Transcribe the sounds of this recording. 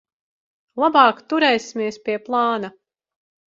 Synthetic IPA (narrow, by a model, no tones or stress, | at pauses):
lˠabɑːkt̪uɾɛjsimʲiɛspʲiɛplˠɑːna